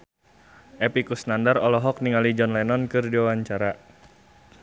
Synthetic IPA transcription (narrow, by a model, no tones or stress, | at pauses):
ʔɛpikusnandarɔlɔɦɔk̚niŋalid͡ʒɔnlanɔnkɨrdiwawaɲt͡ʃaɾa